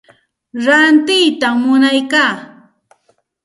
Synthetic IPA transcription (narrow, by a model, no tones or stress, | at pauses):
ɾant̪ɪjt̪amːʊnajkaː